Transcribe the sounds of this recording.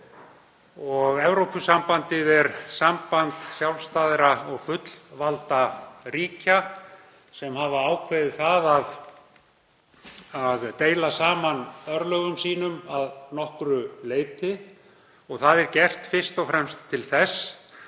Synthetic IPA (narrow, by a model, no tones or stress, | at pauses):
ɔɣɛvɾowpʏsampant̪ɪðɛɾsampant̪sjawlst̪aːðɾaɔɣfʏt̪l̥valt̪aɾiːca | sɛmhavaaːwkʰveðɪθaðað | aðt̪eːjlasaːmanœɾlœːɣʏmsiːnʏmaðnɔhkɾʏleːjt̪ɪ | ɔɣθaðɛɾcɛr̥t̪fɪr̥st̪ɔwfɾɛmst̪ʰːɪlθɛs